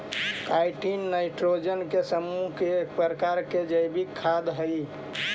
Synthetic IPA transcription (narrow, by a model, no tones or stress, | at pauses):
kajʈinːaɪʈɾod͡ʒənkesəmːuɦkekpəɾəkaɾked͡ʒəjbikʰːad̪ɦəj